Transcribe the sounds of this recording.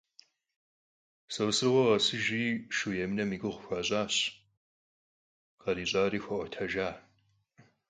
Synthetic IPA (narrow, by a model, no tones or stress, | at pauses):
sɐwsɨrʁʷɐʁɐsɨʒiːʃujɛmnɐmiːɡʷɨʁʷʊxʷaːɕʼaːɕ | qɐɾiːɕʼaːriːxʷɐʔʷɐtʰɐʒaː